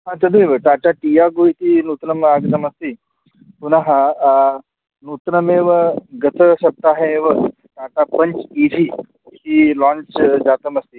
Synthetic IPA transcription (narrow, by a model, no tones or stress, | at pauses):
ɦãt̪ɐd̪ʱeʋəʈ̪aːʈaʈijaːɡojt̪inut̪nɐmaɡd̪ɐmɐst̪i | punaɦɐ | nuːt̪nɐmeːʋəɡɐt̪ʰəsɐb̚t̪aːɦeʋə | ʈaːʈapɐɲt͡ʃiːʈiː | hilãːnt͡ʃd͡ʒaːt̪ɐmɐst̪i